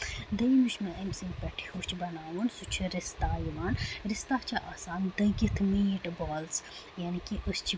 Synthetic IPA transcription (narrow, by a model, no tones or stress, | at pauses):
d̪ɐjmuʃmɐɐmsinpɐʈʰi̥hut͡ʃʰibɐnaːʋunsut͡ʃʰiɾist̪aːjiʋaːnɾist̪aːt͡ʃʰɐʔaːsaːnd̪ɐɡit̪ʰmiːʈboːls | janikiʔəst͡ʃʰi